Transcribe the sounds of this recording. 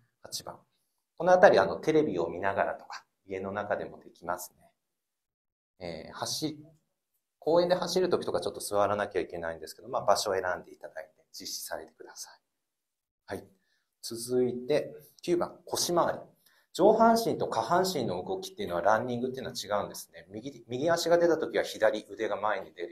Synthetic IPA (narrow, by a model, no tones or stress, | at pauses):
hat͡ɕibã̰ŋ | ko̞no̞at̪aɾʲiano̞t̪e̞ɾe̞bʲio̞̰mʲinaɡaɾa̰t̪o̞̥kḁ | ie̞no̞nakad̪e̞mo̞d̪e̞kʲimasɨ̥ne̞ | ḛːhaɕi | kʰo̞ːe̞nd̪e̞haɕiɾɯ̟t̪o̞kʲi̥t̪o̞kat͡ɕo̞t̪ːo̞sɨβaɾanakʲaike̞naĩnd̪e̞sɨ̥ke̞d̪o̞mabaɕo̞e̞ɾãnd̪e̞it̪ad̪ait̪e̞̥d͡ʑiɕi̥saɾe̞t̪e̞kɯ̟d̪asai̥ | hai | t͡sɨzɨit̪e̞kʲɯːbã̰ŋkʰo̞ɕimaaɾʲi | d͡ʑo̞ːɦãɰ̃ɕĩnt̪o̞kahãɰ̃ɕĩnːo̞ɯ̟ɡo̞kʲi̥t̪ːeiɯ̟no̞βaɾãɲ̟ːĩŋɡɯ̟t̪ːei̟noat͡ɕiɡaɯ̟̃nd̪e̞sɨ̥ne̞mʲiɡʲimʲiɡʲiaɕiɡad̪e̞t̪at̪o̞kʲiβaçid̪aɾʲiʔɯ̟d̪e̞ɡamae̞ɲ̟id̪e̞ɾɯ